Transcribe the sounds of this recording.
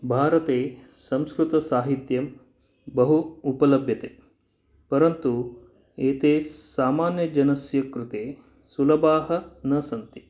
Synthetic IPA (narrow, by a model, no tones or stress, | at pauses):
bʱaːɾɐt̪eːsɐmskɾut̪ɐsaːɦit̪jɐm | bɐɦuːpɐlɐbʱjɐt̪eː | pɐɾɐnt̪u | eːt̪eːsaːmaːnjɐd͡ʒɐnɐsjɐkɾut̪eː | sulɐbaːɦɐ̆nɐsɐnt̪i